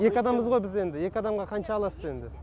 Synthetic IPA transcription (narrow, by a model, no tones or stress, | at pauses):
je̞kʲɑd̪ɑmːəzʁo̞jbɪze̞nd̪ɪje̞kʲɪɑd̪ɑmʁɑqʰɑnʃɑːlˠɑsəze̞nd̪ɪ